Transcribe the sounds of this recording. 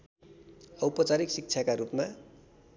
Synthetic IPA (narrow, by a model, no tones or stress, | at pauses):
ʌwpʌt͡saɾiksik̚t͡sʰakaɾupma